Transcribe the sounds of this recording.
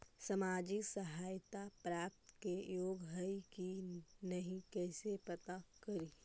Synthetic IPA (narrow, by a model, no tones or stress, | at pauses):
sɐmaːd͡ʒɪksɐɦaːjt̪apɾaːp̚t̪kejoːɡɦəikinɐɦĩkɛːsepɐt̪akɐɾi